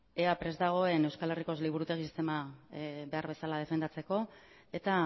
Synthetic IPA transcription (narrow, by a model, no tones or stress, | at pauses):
e̞apɾe̞zd̪aɣ̞o̞e̞ne̞wskale̞riko̞zliβ̞uɾut̪e̞ɣisist̪e̞mabe̞aɾβe̞salað̞e̞fe̞nd̪at͡se̞ko̞ | e̞t̪a